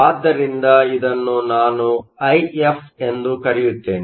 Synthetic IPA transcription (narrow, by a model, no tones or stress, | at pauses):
aːd̪ːɐɾind̪ɐid̪ɐnːunaːnuɐjepʰe̞nd̪ukɐɾijut̪ːe̞ːni